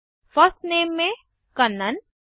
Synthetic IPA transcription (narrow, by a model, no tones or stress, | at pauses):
fɐsneːmːẽ | kɐnːən